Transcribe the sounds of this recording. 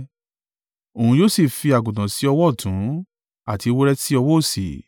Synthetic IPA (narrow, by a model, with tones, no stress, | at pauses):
o˨ũ˧joː˦˨si˦˨fi˧a˨ɡũ˨tã˨si˨˦ɔ˧wɔ˦˨tũ˨˦ | a˦˨ti˧wo˦ɾɛ˦si˦ɔ˧wɔ˦o˦˨si˨